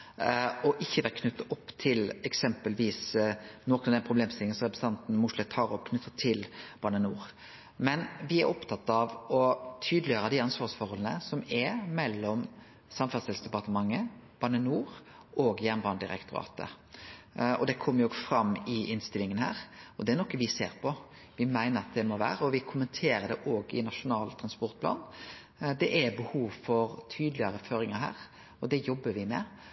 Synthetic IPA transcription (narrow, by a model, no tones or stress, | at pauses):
ɔʔɪçːəʋæːɾkʰnʉt̪ːɑʔɔpːt̪ʰɪlɛksɛmpəlʋiːsnɔkənɑʋd̪ɛnpʰɾʊbleːmst̪ɪlɪŋənsɔʁɛpɾəsəɑnt̪n̩mʊʂlɛt̪ʰːɑːɾɔpkʰnʉt̪ːət̪ʰːɪlb̥ɑnənuːʁ | mɛnʋɪɛɾɔpt̪ʰɑt̪ːɑʋɔt̪ʰyːd̪lɪjøːɾəd̪ɪɑnsʋɑːsfɔɾhɔlənə̰sɔmɛmɛlːɔm | sɑmfɑsɪlsd̪ɛpɑʁt̪əmɑŋːəb̥ɑnənuːɾ | oːɡjæʁnbɑːnd̪ɪɾɛ̰kt̪ʊɾɑ̰ːt̪ə̰ | ɔ̰d̪ɛkʰɔmːəɾjʊoɡfɾɑmːɪʔɪnst̪ɪlɪŋənhæ̰ːɾɔd̪ɛæɾnɔkːəʋɪsḛːɾpʰɔ | ʋɪmæɪnəɾɑt̪̚d̪ɛmoʋæ̰ːɾəɔʋɪkʰʊmənt̪ʰeːɾəd̪ɛʔoːɡɪ̰nɑʃʊnɑːlt̪ʰɾɑnspɔɾt̪̚pʰlɑ̰ːn | d̪ɛʔæbəhuːʋfɔɾt̪ʰyːd̪lɪəɾəføːɾɪŋəɦæ̰ːɾ | ɔd̪ɛjɔbːəʋɪmɛ